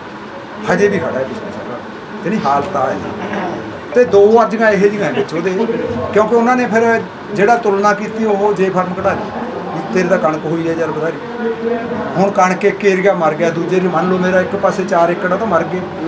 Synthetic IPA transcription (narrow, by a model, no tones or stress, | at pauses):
həd͡ʒeːbiːkʰəɽaːɛːbɪsmisəɾaː | t̪eːnĩːɦaːlt̪aːḛː | t̪eːd̪oːəd͡ʒəɡãːɪɦed͡ʒɪɡãːẽːbɪt͡ʃɦoːd̪eːkjõːk̬eʊnãːneːpʰɪɾ | d͡ʒeːɽaːt̪ʊlnaːkiːt̪iːoɦod͡ʒeːpʰəɾmkɽaːd̪iː | it̪eːɾeːt̪ãːkəɳkɦoːiːɛːd͡ʒaːɾbəd̪aːɾiː | ɦʊɳkəɳkekːeːɾɡjaːməɾɡɪjaːd̪uːd͡ʒeːɾiːmənloːmeːɾaːɪkpəseːt͡ʃaːɾɪkːɽãːt̪aːməɾɡeː